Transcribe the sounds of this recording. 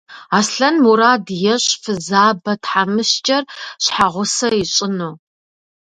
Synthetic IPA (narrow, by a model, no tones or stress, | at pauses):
aːsɬɐnmuɾaːdjɛɕfɨzaːbɐtʰħamɨɕt͡ʃʼɐrɕħaʁʷʊsɐɪɕʼɪnoː